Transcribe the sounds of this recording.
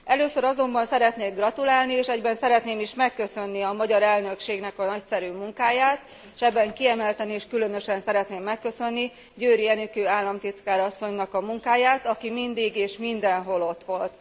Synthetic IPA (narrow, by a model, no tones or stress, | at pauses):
ɛløːsøɾɒzo̞mbɒnsɛɾɛt̪neːɡrɒt̪ulaːlnieːʃɛɟbɛnsɛɾɛt̪neːmiʃmɛkːø̞sø̞nːiɒmɒɟɒɾɛlnø̞kʃeːɡnɛkɒnɒcsɛɾyːmuŋkaːjaːt̪ | ʃɛbːɛŋkiɛmɛlt̪ɛnieːʃkylø̞nø̞ʃɛnsɛɾɛt̪neːmːɛkːø̞sø̞nːi | ɟøːɾiɛnykøːaːlːɒmt̪it̪kaːɾɒsːo̞ɲnɒkɒmuŋkaːjaːt̪ɒkimind̪iɡeːʃmind̪ɛnɦo̞lo̞t̪ʋo̞lt̪